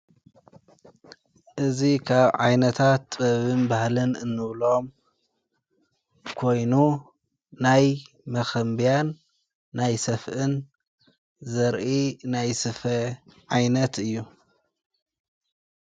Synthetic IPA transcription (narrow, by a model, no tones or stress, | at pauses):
ʔɨzikʰaβʕajnɐt̪ʰat̪bɐβɨnbahlɨnɨnːɨβlo̞m | kʰo̞jnu | naj | mɐxɐmbijanː | ajsɐfʔɨn | zɐɾʔinajsɨfɐʕajnɐt̪ʰɨjːu